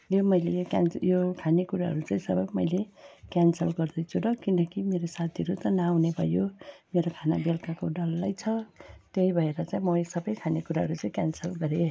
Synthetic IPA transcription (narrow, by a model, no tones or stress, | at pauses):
jomʌjlejoka̰nsjokʰanekuɾaɦʌ̰ɾut͡saĩsʌbʌjmʌjlekansʌlɡʌrd̪ʌjt͡sʰudʌkinʌkimeɾosat̪ʰiʌɾut̪ʌnawnebʱʌjomeɾokʰanabelkakoɖʌlːajt͡sʰʌt̪eibʱʌeɾʌt͡saĩmʌjsʌbʌjkʰanekuɾaɦʌɾut͡saĩkʲjansʌlɡʌɾe